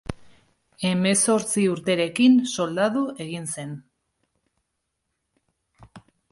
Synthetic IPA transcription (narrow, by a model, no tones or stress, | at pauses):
e̞me̞so̞ɾt͡siuɾt̪e̞ɾe̞kinso̞ld̪aðue̞ɣinse̞n